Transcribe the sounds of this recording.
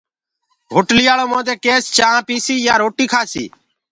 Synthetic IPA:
ɦʊʈlɪjaːɭoːmõːd̪eːkeːst͡ʃãːpiːsiːjãːɾoːʈiːkʰaːsḭː

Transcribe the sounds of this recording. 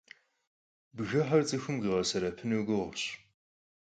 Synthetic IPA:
bɣɐħɐrt͡sʼɨxɨmʁiʁɐsɐɾɐpʰɨnɐwɡɨʁʊɕ

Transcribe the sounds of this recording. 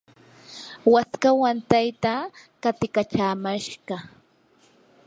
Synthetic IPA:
waskawant̪ajt̪akat̪ɪkat͡ʃaːmaʃɢɑ

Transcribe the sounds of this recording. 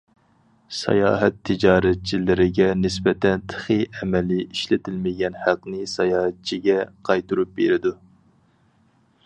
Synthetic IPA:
sɑ̰jɑ̰ːɦɛt̪ʰːɪd͡ʒɑːɾɛt̪̚t͡ʃʰilɪɾɪɡʲɛnɪsbɛt̪ʰɛnt̪ʰə̥χɨɛmɛlɪiʃlɪt̪ʰɪlmɪɡʲɛnhæqnɪsɑjɑːhɛt̪̚t͡ʃʰiɡʲɛqʰɑjt̪uɾup̚beɾɪd̪u

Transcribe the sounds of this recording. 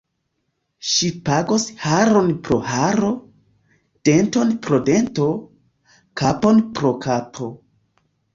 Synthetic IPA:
ʃipaɡoshaɾonpɾo̞̰haɾo̞ | d̥e̞nto̞npɾo̞de̞nto̞ | kapo̞npɾo̞kapʰo̞

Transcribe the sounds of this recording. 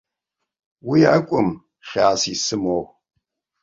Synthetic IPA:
wijʔɐkʷʼʊm | χʲaːsiːsɨmoːw

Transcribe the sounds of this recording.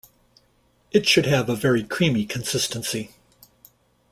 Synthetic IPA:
ɨtʃɨdɨvəvɛɹikʰɹ̥ĩmikʰɨ̃n̩sɪstɨ̃nsi

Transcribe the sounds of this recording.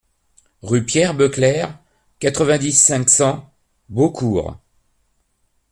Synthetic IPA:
ʁypjɛʁbøklɛʁ | kat̪χəvɛ̃d̪isɛ̃ksɑ̃ | bokʰuːʁ

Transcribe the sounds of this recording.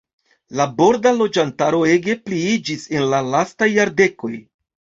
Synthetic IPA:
labo̞ɾdalo̞d͡ʒantaɾo̞e̞ɡe̞pliid͡ʒise̞nlalastajːaɾde̞ko̞j

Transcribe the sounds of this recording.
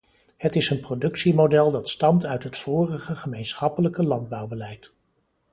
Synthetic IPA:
ɦətɪsənprodɵksimodɛlˠdɑtstɑmtœɥtɦətfʊːrəχəχəmejnsχɑpələkəlɑnd̚bɑwbəlɛjt

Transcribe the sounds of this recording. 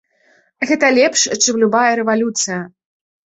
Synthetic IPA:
ɣɛt̪ɐlʲɛpʂt͡ʂɨmlʲubajɐɾɛvalʲut̪sɨjɐ

